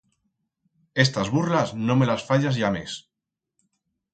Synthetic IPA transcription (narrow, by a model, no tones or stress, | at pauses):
e̞st̪azβurlaznõme̞lasfaʎazjames